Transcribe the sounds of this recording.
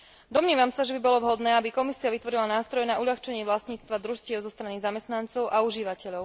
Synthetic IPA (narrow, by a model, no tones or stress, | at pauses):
d̪ɔmɲiɛːʋamsaʒɛbibɔlɔʋɦɔd̪nɛːabikɔmisiaʋit̪ʋɔɾilanaːst̪ɾɔjnaʔuʎaxt͡ʃɛɲɪɛʋlast̪ɲiːt͡st̪ʋad̪ɾuʃcɪɛʊzɔst̪ɾanizamɛst̪nant͡sɔʊʔauʒiʋacɛʎɔʊ